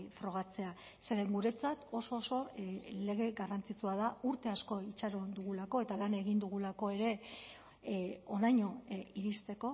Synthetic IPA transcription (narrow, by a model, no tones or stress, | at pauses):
fɾo̞ɣ̞at͡se̞a | se̞ɾeŋɡuɾe̞t͡sat̪o̞so̞ːso̞le̞ɣ̞e̞ɣarant͡sit͡suað̞auɾt̪e̞asko̞it͡ʃaɾo̞d̪uɣulako̞e̞t̪alane̞ɣ̞ind̪uɣ̞ulako̞e̞ɾe̞ | onajɲo̞iɾist̪e̞ko̞